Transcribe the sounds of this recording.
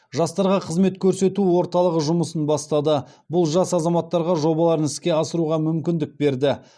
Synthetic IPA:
ʒɑst̪ɑɾʁɑqʰəzme̞t̪kʲʰɵɾse̞t̪uwo̞ɾt̪ɑlˠəʁəʒʊməsənbɑst̪ɑd̪əbʊlˠʒɑsɑzɑmɑt̪ːɑɾʁɑʒo̞bɑlˠɑɾənɪskʲe̞ɑsəɾuʁɑmʏmkʲɪnd̪ɪk̚be̞ɾd̪ɪ

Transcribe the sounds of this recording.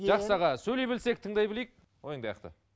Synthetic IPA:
ʒɑqsɑʁɑsɵlejbɪlse̞k̚t̪ʰəɴd̪ɑjbɪlejk̚ | wojəɴd̪ɑjqt̪ə̰

